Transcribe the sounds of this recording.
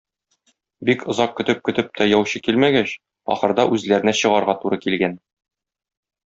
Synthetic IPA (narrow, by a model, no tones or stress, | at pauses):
bikŏzɑq̚kɵ̆t̪ɘp̚kɵ̆t̪ɘp̚t̪æjɒwɕɤkilmæɡæɕ | ɒ̰χɤ̆ɾd̪ɑʔʉzlæɾɘ̆næɕɤ̆ʁɑɾʁɑt̪uɾɤkilɡæn